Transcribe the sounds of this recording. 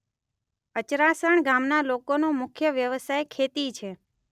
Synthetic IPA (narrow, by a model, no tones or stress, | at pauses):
ət͡ʃɾasəɳɡamnalokonomʊkʰjəʋjəʋəsajkʰet̪it͡ʃʰe